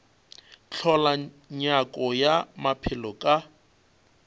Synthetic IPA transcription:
t͡ɬʰɔla | ɲakʼɔjamapʰɪlɔkʼa

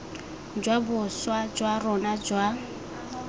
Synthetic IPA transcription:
d͡ʒwabʊswad͡ʒwarɔnad͡ʒwa

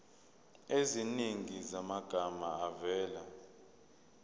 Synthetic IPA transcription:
eziniŋizamaɡ̥ʱamaavɛːla̰

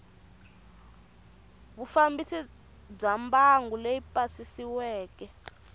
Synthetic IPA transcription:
βufambisi | b͡ʐambaŋɡuleipʼasisiwɛːkɛ

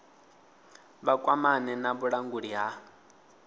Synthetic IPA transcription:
βakʼwamanɛnaβuɺaŋɡuɺiɦa

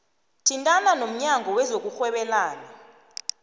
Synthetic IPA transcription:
tʰintʼananom̩ɲaŋʱɔwɛzok̬uxwɛɓɛlaːna

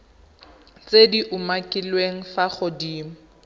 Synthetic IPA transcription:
t͡sʼediʔʊmakʼɪlweŋ̩faχʊdiːmʊ

